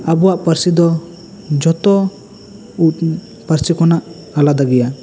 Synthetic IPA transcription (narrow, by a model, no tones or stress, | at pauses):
abɔwaʔpəɾsid̪ɔ | d͡ʒɔt̪ɔ | ut̪ | pəɾsikɔnaʔ | alad̪aɡɛja